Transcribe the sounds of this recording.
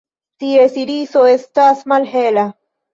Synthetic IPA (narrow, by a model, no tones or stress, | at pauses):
t̪ie̞siɾiso̞e̞stasmalɦela